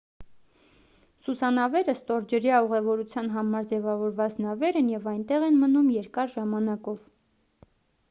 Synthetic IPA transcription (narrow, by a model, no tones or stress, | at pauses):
susɑnɑvɛɾəst̪ɔɾd͡ʒəɾjɑuʁɛvɔɾut͡sʰjɑn̪ɦɑmɑɾd͡zɛvɑvɔɾvɑt͡snɑvɛɾənjɛvɑjnt̪ɛʁɛnmənumjɛɾkɑɾʒɑmɑnɑkɔv